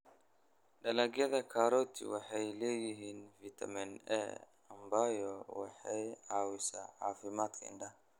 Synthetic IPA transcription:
ɖɐlɐɡjɐðɐkʰaːɾɔːt̪ʰɪ̰wɑħɑjlɛːjɪɦiːnfit̪ʰɐ̰mɪnɛ̰ | ɐmbajɔwɑ̰ħɑjʕɑːwɪsaːħɑːfɪmaːd̪kʰɐ̰ɪ̰nɖɐh

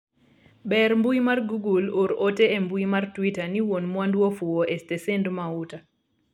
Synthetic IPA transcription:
bɛrmbujmarɡuɡuloɾoteembuimartwitaniwonmwandwofuwoʔestesendmauta

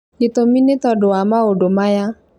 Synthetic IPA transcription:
itomĩnetɔdʊamãodomaja

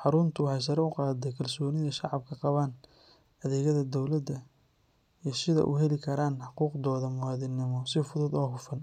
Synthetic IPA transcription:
ħɑɾʊnt̪ʰʊwɑħɑjs̬ɐɾɛʊqɑːd̪ɛjkʰɐlsɔːnɪðɐʃɑʕɑb̚kʰɐqɑβaːn | ɐðɛːɣɐðɐd̪ɔwlɐd̪ɐ | iːsɪðɐ̰ʔʊɦɛlɪkʰɐɾaːnħɑquːqd̪ɔːðɐmʊwɑːðɪnːɪmɔsɪfʊðʊd̪ɔːɦʊfɐn

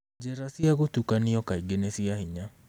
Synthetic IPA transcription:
d͡ʒɛɾasiaɣotukaniɔkaiɡenesiahiɲa

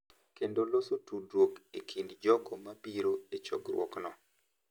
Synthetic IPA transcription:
kendolosotudokekʰindd͡ʒɔkɔmapiɾoet͡ʃɔ̰ɡɾwɔ̰knɔ

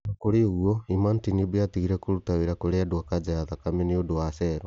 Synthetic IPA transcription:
nakoɾeoɣwɔimantinibiatiɣiɾɛkoɾutaweɾakoɾeadoakad͡ʒaaðakameneodowasɛːɾɔ

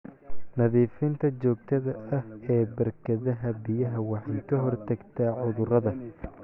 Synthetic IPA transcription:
nɐðiːfɪnt̪ʰɐt͡ʃɔːɡ̚t̪ʰɐðɐʔɐhɛːbɐrkʰɐðɐɦɐbɪjɐɦɐwɑħɑjkʰɐɦɔrt̪ʰɐɡt̪ʰaːʕʊðʊrɐðɐ

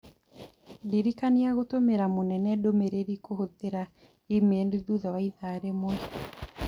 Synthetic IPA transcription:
diɾikaniaɣotomeɾamonɛnɛdomeɾeɾikohoteɾa | imeɛndeðuðawaiðaːɾemwɛ

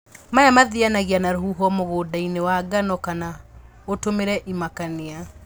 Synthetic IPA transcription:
majamaðianaɣianaɾoɦuɦɔmoɣoːdainewaɡanɔkana | otomeɾɛʔimakania

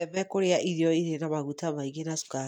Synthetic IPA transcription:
ɛmɛkoɾeaʔiɾiɔiɾenamaɣutamaiɣenasu̥ka

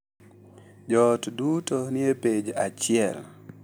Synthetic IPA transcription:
d͡ʒɔtdutonɪeped͡ʒat͡ʃɪɛl

